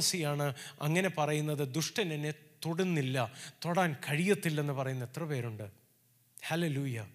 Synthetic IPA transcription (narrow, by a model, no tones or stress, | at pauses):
ɐsijaːɳɨɐŋːɐne̞pɐrɐjunːɐðɨd̪uʂʈɐnenet̪oɽunːilːɐt̪oɽaːnkɐɻijɐt̪ːilːe̞nːɨpɐrɐjunːɐet̪rɐpe̞ːɾuɳɖɨ | hɐleluːjɐ